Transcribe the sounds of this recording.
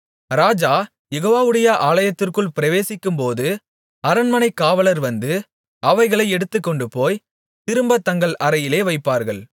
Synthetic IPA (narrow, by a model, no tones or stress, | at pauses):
ɾaːd͡ʒaː | jɛɣoːʋaːʋɯɽɐjɐʔaːlɐjɐt̪ːɪrkɯɭpɪɾɐʋeːsɪkːɯmpoːðɯ | ɐɾɐnmɐnɐɪkːaːʋɐɭɐɾʋɐnd̪ɯ | ʔɐʋɐɪɣɐɭɐɪɛɽɯt̪ːɯkːɔɳɖɯpoːj | t̪ɪɾɯmbɐt̪ːɐŋɡɐɭʔɐɾɐjɪleːʋɐɪpːaːɾɣɐɭ